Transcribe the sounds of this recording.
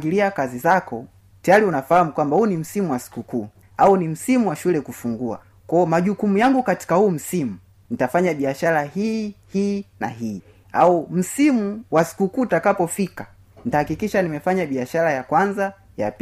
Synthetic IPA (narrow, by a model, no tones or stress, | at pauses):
ɡiliakazizakɔ | tajaɾiunafahamukwambahuːnim̩simuwasi̥kukuː | aunim̩simuwaʃulɛkufuŋɡua̰ | kɔɔmaʄukumujaŋɡukati̥kahuːm̩simu | nitafaɲaɓiaʃaɾahihiːnaɦiː | aum̩simuwasi̥kukuːtakapɔfika | nitahakikiʃanimɛfaɲaɓiaʃaɾajakwanza | ja̰p